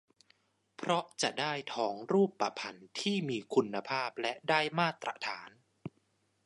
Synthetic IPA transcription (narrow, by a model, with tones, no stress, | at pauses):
pʰɾɔ˦˥ʔt͡ɕa˨˩ʔdaː˥˩jt̪ʰɔː˩˦ŋɾuː˥˩pːa˧˩pʰa˧nt̪ʰiː˥˩miː˧kʰu˧nːa˧pʰaː˥˩p̚lɛ˦˥ʔdaː˥˩jmaː˥˩t̪ɾʔa̰˧t̪ʰaː˩˦n